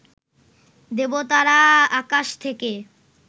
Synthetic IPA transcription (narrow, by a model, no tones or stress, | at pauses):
d̪ebot̪aɾaakaʃt̪ʰeke